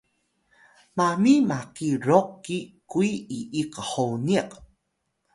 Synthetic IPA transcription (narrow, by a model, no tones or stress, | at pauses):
mamimaqiɾoqːikuiiʔiqəħowniq